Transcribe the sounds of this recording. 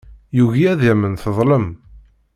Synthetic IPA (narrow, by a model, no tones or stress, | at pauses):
juʝiæðæmənθəðˤləm